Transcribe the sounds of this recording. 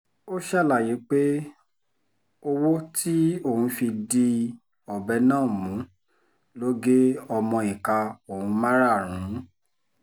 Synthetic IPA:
o˦ʃɛ˦˨la˦˨ji˨˦k͡pe˦ | o˧wo˦tʰi˦o˦˨hũ˧fi˧di˧ | ɔ˨bɛ˧˦nãː˦˨mũ˨˦ | lo˦ɡe˦ɔ˧mɔ̃˧i˨ka˧o˨hũ˨˧mã˦ɾa˦˨ɾ̃ũ˨˦

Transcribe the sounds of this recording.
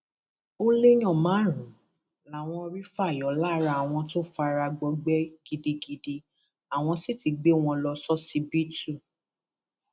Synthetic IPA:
o˦le˦ɲ̃ɔ̃˦˨mãː˨˦ɾ̃ũ˨˦ | la˨w̃ɔ̃˧ɔ˧ɾi˦fa˦˨jɔ˨˦la˦ɾa˧˨w̃ɔ̃˧to˦fa˧ɾa˧ɡ͡bɔ˧ɡ͡bɛ˦ɡ̥i˧di˧ɡi˧de˧ | a˨w̃ɔ̃˧si˦ti˧ɡ͡be˦w̃ɔ̃˧lɔ˧sɔ˦si˧bi˦tu˦˨

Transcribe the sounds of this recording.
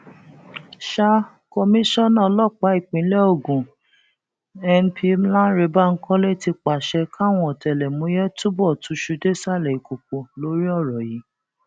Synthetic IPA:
ʃa˧ | kɔ˧mĩ˦ʃɔ˦nã˦˨˦lɔ˦˨k͡pa˨˦i˦˨k͡pĩ˨˦lɛ˦o˦˨ɡũ˨ | ɛ˧npʰi˦m˦lã˦ɾe˨˦ba˦˨ŋ̩˦kɔ̃˦le˦˨ti˧k͡pa˨ʃɛ˧ka˦˨w̃ɔ̃˧ɔ˨tɛ˨lɛ˨mũ˨˦jɛ˦tu˦bɔ˦˨tu˨˧˦ʃu˨˧de˦˨sa˦˨lɛ˨i˨ko˨k͡po˨lo˨˦ɾi˦ɔ˦˨ɾɔ˨ji˨˦

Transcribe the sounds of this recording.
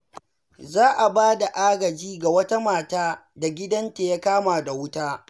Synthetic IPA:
zaː˦ʔa˨baː˦da˨ʔaː˦ɡɐ˨d͡ʒiː˦ɡa˨wɐ˦ta˦maː˨taː˦ | da˨ɡʲɪ˦dɐ˦nta˨ja˦kaː˦maː˨da˨wʊ˦taː˦

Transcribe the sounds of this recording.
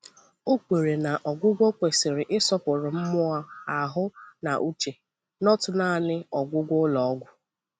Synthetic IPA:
o˦kʷe˨ɾe˨na˨ʔɔ˨ɡʷʊ˦ɡʷo˦kʷe˨sɪ˨ɾɪ˨ʔɪ˦sɔ˦pʊ˨ɾʊ˨m̩˦mʊ˦a˦a˨ɦʊ˦na˨ʔu˦t͡ʃe˨ | nɔ˦tʊ˨na˦˨nɪ˦ɔ˨ɡʷʊ˦ɡʷʊ˦lɔ˨ɔ˦ɡʷʊ˦

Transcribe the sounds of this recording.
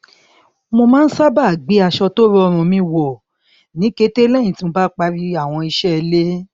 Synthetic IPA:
mo˧mãː˦n̩˦sa˦ba˦˨ɡ͡be˨˦a˧˨ʃɔ˧to˦ɾɔ˦ɔ˧˨mõ˧mĩ˧˦wɔ˨ | nĩ˨˦ke˧˦te˦lɛ̃˦˨ĩ˨ti˦mo˧ba˦k͡pa˧ɾi˦a˦˨w̃ɔ̃˧i˧ʃɛ˦˧le˦

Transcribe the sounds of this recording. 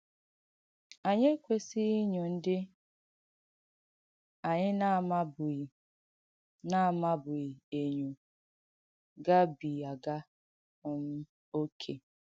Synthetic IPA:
a˨ɲe˦kʷe˨si˦ɲo˨n̩˦dɪ˦ | a˨ɲɪ˦na˦˨ma˦bʊ˨ | na˦˨ma˦bʊ˨i˨e˨ɲo˨ | ɡa˦bi˨a˨ɡa˦ | ʊ˦m̩˦ | o˦kʰe˦

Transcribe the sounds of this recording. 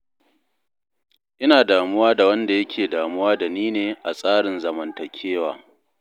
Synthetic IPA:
ʔɪ˦naː˨daː˨mʊ˦waː˦da˨wɐ˦nda˨jɐ˦kʲʰeː˨daː˨mʊ˦waː˦da˨niː˦neː˨ʔa˨sʼaː˦ɽɪ˨nzɐ˨mɐ˨ntɐ˨kʲʰeː˦wa̰ː˨

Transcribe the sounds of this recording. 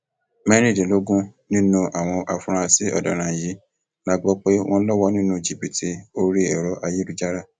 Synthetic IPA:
mɛ̃˦ɾ̃ĩ˦˨dĩ˨lo˨˦ɡũ˦nĩ˦nũ˧ʔa˨w̃ɔ̃˧ʔa˧fũ˧ɾ̃ã˧si˦ɔ̰˦˨dɔ̃˨ɾ̃ã˨ji˨˦ | la˦ɡ͡bɔ˦k͡pe˦w̃ʔɔ̃˦lɔ˦wɔ˦nĩ˦nũ˧d͡ʒi˨bi˨tʰi˧˦o˦ɾi˦ɛ˨ɾɔ˨˦ʔa˧ji˦ɾu˦d͡ʒa˦ɾa˦˨

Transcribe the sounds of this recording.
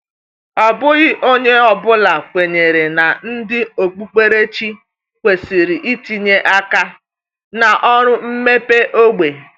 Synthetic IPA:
ɔ˨bʊ˦ɣɪ˦ʔo˦ɲe˦ɔ˨bʊ˦la˨kʷe˨ɲe˨ɾe˨na˨n̩˦dɪ˦o˨k͡pu˦k͡pe˦ɾe˦t͡ʃi˦ | kʷe˨si˨ɾi˨ʔi˦ti˦ɲe˦ʔa˦ka˦ | na˨ʔɔ˦ɾʊ˦m̩˦me˦pe˦ʔo˦ɡ͡be˨

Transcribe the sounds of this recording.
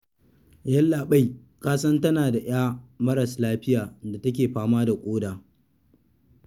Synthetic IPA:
jɐ˦lːaː˨ɓa˦j | kaː˦sɐ˦ntɐ˦naː˨da˨ʔj̰aː˦mɐ˦ɾɐ˨slaː˦ɸɪ˦jaː˨nda˨tɐ˦k̬ʲeː˨ɸaː˦maː˦da˨kʷʼoː˦daː˨

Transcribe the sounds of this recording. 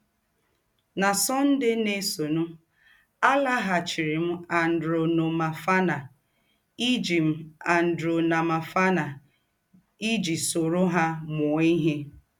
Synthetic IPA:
na˨sɔ˦n̩˦dɪ˦ne˦so˨nu˦ | a˦la˦ɦa˨t͡ʃi˨ɾɪ˨m̩˦a˨n̩˨dɾo˨no˨ma˨fa˦na˨ | i˦d͡ʒi˨m̩˦a˨n̩˨dɾo˨na˨ma˨fa˦na˨ | i˦d͡ʒi˨so˨ɾo˦ɦa˦mʊ˨˦i˦ɦe˦

